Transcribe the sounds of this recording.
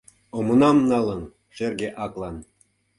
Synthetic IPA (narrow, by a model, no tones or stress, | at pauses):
omŏnɑmnɑlɤ̆n | ʃerɡeʔɑklˠɑn